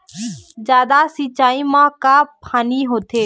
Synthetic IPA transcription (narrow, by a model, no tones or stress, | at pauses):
d͡ʒjaːd̪asit͡ʃaːimãkaːpʰaːniɦoːt̪ʰeː